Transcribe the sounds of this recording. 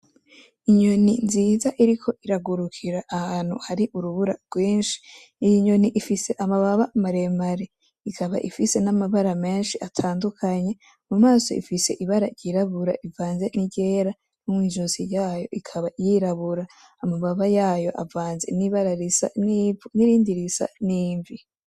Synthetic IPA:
iɲo̞ninziːzaʔiɾikʰo̞ʔiɾaɡuɾukʰiɾaʔahaːn̥hṵhaɾiʔuɾuβuɾaɡwiːnʃi̥ | ijiɲo̞niʔifise̞ʔamaβaβamaɾemaɾe | ikʰaβa̰ʔifise̞namaβaɾame̞ːnʃiʔatʰaːndukʰaɲe̞ | mumaːso̞̰ḭfise̞ʔiβaɾajɟiɾaβuɾa̰ʔivaːnze̞niɟe̞ːɾa | numŋwiːʒosijaːjo̞̰ʔikʰaβajiɾaβuɾaː | muβaβajaːjo̞ʔa̰vaːnze̞̰niβaɾaɾisa̰niniɾiːndiɾisa̰niːɱvi

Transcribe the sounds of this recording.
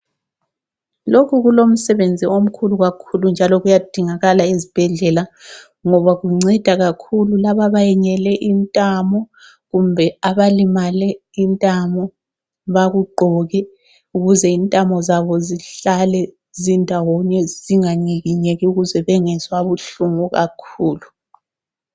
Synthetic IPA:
lokʰuɣulom̩sɛβend͡zʱiom̩kʰuluɣakʰulund͡ʒʱalɔɣujad̥ʱiŋaɣalaezib̥ʱɛɮɛla | ŋɔβaɣuŋ͡ǀɛd̥ʱaɣakʰululaβaβajɛɲɛlɛʔintʼamɔ | ɣumbʱɛaβalimalɛ | intʼamɔ | βaɣuɡ͡ǃʱɔɣɛ | uɣuzɛintʼamɔzaβɔziɬalɛ | zindʱawɔɲɛziŋaniɣiɲeɣiuɣuzɛβɛŋɛzwaβuɬuŋuɣakʰuːlu

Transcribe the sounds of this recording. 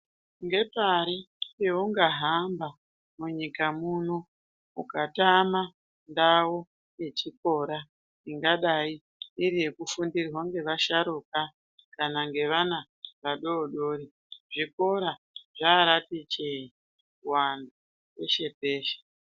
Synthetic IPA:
ŋɡe̞paɾi | ewoŋɡaɦamba | muɲikamuno | ukatama | ndawo | je̞t͡ʃiko̞ɾa | iŋɡaɗai | iɾije̞kufundirwaŋɡe̞ʋaʃaɾuka | kanaŋɡe̞ʋana | ʋaɗo̞ːɗoːɾi | ʐiko̞ɾa | ʐaːɾatit͡ʃei | wanda | e̞ʃe̞p̚e̞ːʃe̥

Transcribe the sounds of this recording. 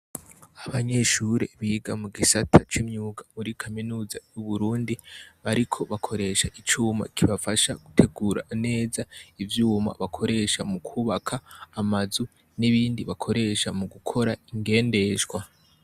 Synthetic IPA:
aβaɲe̞ʃuːɾeβiɡamuɡisatʰat͡ʃimɲuːɡamuɾikʰaminuːzajuβuɾuːndiβaɾikʰo̞βakʰo̞ɾe̞ʃaʔit͡ʃuːma̰kʰiβafaʃaɡ̥utʰe̞ɡuːɾa̰ne̞ːzaivjuːma̰βakʰo̞ɾe̞ʃamukʰuːβakʰaːmazu | niβiːndiβakʰo̞ɾe̞ʃamuɡukʰo̞ɾaiŋɡe̞ːnde̞ʒɡwa

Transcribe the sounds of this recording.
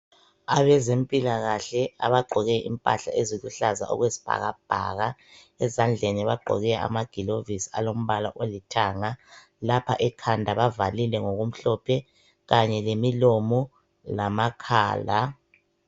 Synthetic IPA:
aβɛzempʼilaɣaɬɛaβaɡ͡ǃʱɔɣɛʔḭmpʼa̰ɬa̰eziluɬaza̰ʔɔ̰ɣwezi̥b̥ʱa̰ɣa̰b̥ʱa̰ɣa | ɛzand͡ɮʱeniβaɡ͡ǃʱɔ̰ɣɛa̰maɡ̥ʱilovisia̰lom̩βala̰ʔolitʰaŋa | lapʰaʔɛkʰandʱaβavalilɛŋoɣum̩ɬɔpʰɛ | ɣaɲɛlemilomu | lamakʰa̰ːla

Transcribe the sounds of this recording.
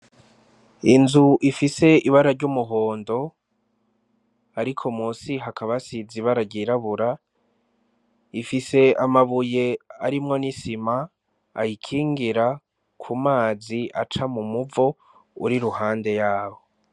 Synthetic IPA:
inzuʔifise̞iβaɾaɾɟumuɦoːndo̞ | aɾikʰo̞musiɦakaβasiziβaɾaɾɟiɾaβuɾa | ifise̞amaβuje̞aɾimŋo̞nisima̰ː | jikʰiːŋɡiɾa | kʰumaːziʔat͡ʃamumuvo̞ | uɾiɾuhaːnde̞jaːβo̞

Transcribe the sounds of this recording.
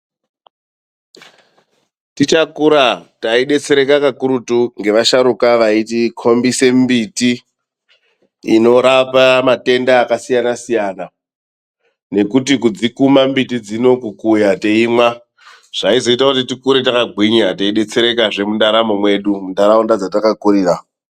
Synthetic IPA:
tit͡ʃakuɾataiɗe̞t͡se̞ɾe̞kakakuɾutuŋɡe̞ʋaʃaɾukaʋaitikʰo̞mbise̞mbiti | no̞ɾapamate̞ndaːkasijanasijaːna | ne̞kutik̬ud͡zikumambitid͡zino̞kukujateimwa | ʐ̥aizo̞itakut̬itikuɾetakaɡʱiɲɾataiɗe̞t͡se̞ɾe̞kaʐe̞mundaɾamomwe̞ːɗumundaɾaondad͡zatakakuɾiːɾa

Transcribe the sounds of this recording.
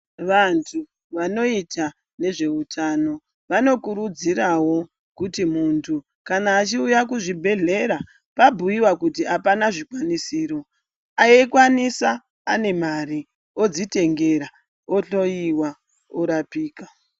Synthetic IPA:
ʋantʰu | ʋano̞ita | ne̞ʐe̞utʰano̞ | ʋano̞kuɾud͡ziɾawo̞ | kutimuntʰu | kanaːt͡ʃiujakuʐibʱe̞ɮe̞ɾa | pabʱujiwakutiapanaʐikwanisiːɾo̞ | aekwanisaː | ne̞mari | o̞d͡zite̞ŋɡe̞ɾa | oɬo̞jiwa | oɾapiːka

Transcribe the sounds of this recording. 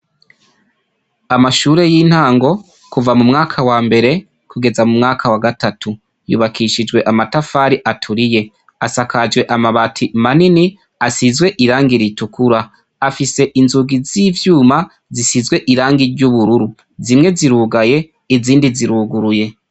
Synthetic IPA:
amaʃuːɾe̞jiːn̥haːŋɡo̞ | kuvamumŋaːkʰawaːmbe̞ɾe̞ | kʰuɡe̞zamumŋaːkʰawaɡatatʰu | jṵːβakʰiʃid͡ʒɡwe̞ʔamatafaːɾiʔatʰuɾije̞ | asakad͡ʒɡwe̞ʔamaβatʰimanini | asizɡwe̞ʔiɾaːŋɡiɾitukuɾa | afise̞ʔinzuɡizivjuːma | zisizɡwe̞ʔiɾaːŋɡiɾɟuβuɾuɾu | zimŋe̞ziɾuːɡaje̞ | iziːndiziɾuːɡuɾuje̞

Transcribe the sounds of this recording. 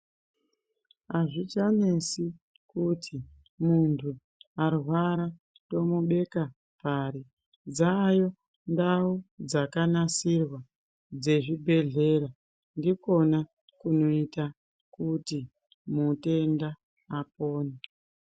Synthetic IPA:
aʐit͡ʃanesi | kutʰi | muntʰu | arwaɾa | to̞muɓe̞ka | paɾi | d͡zajo̞ | ndaud͡zakanasirwa | d͡ze̞ʐibʱe̞ɮe̞ɾa | ndiko̞na | kuno̞ita | kuti | mute̞ndaː | po̞ːne

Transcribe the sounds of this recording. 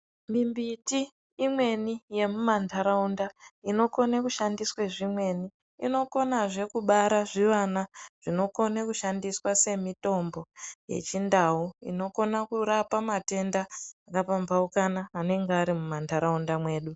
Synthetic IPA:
mimbitiː | mwe̞nije̞mumantʰaɾaundaino̞ko̞nakuʃandisweʐimwe̞niː | no̞ko̞naʐe̞kuɓaɾaʐiʋanaʐ̥ino̞ko̞nakuʃandiswase̞mito̞mbo̞je̞̰t͡ʃindaɦuḭno̞ko̞nakuɾapamate̞ndaːkapambaukanaːne̞ŋɡaɾimumantʰaɾaundamwe̞ːɗu

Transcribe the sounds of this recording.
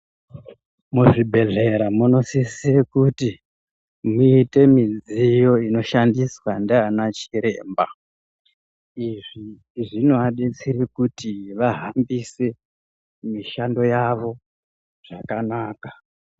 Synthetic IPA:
muʐibʱe̞ɮe̞ɾamuno̞sisiekuti | muite̞mid͡zijo̞ino̞ʃandiswandeanat͡ʃiɾe̞̰ːmba | iʐi | ʐinuaɗet͡siɾikutiʋaɦambise̞ | miʃando̞jaʋo̞ | ʐ̥akanaːkḁ

